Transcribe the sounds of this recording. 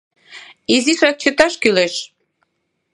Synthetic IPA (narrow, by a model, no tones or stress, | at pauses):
iziʃrɑk̚t͡ɕət̪ɑʃkyleʃ